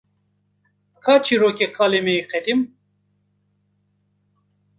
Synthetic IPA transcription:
kʰaːt͡ʃʰiɾoːkʲekʰaːlemeiqɛd̪im

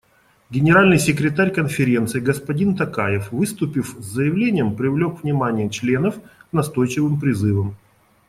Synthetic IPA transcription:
ɡʲɪnʲɪɾalʲnɨjsʲɪkɾʲɪt̪aɾʲkənfʲɪɾʲe̞nt̪sɨɪɡəspɐdʲint̪ɐkajɪfvɨst̪ʊpʲɪfzʲzəjɪvlʲenʲɪjəmpɾʲɪvlʲo̞kvnʲɪmanʲɪjət͡ɕlʲe̞nəfknɐst̪o̞jt͡ɕɪvɨmpɾʲɪzɨvəm

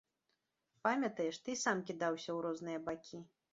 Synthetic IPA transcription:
pamʲɐt̪ɐjɛʂt̪ɨsamkʲid̪awsʲɐwɾɔznɨjɐbakʲi

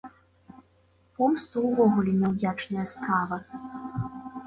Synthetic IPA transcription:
pɔmst̪uwvɔɣulʲɛmʲɛwd͡zʲat͡ʂnɐjɐskavɐ

